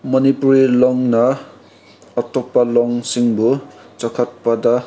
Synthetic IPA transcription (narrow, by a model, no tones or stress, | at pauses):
mʌnipuɾilɔŋnʌː | t̪opːalɔŋsiŋbu | t͡sʌkʰʌt̪̚pʌd̪a